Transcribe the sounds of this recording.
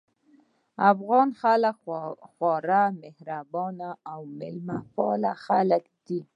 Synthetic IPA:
afɣɑnxalakxwɑɾamɪhɾabɑnaawmɪlmapɑlaxaləkd̪̥i

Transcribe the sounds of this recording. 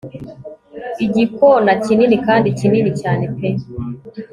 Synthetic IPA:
iɟikonacininikaːndicininicaːne̞pe

